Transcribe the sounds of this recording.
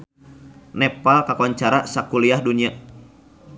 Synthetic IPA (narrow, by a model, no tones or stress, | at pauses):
nɛpalkakuaɲt͡ʃaɾasakuliahduɲia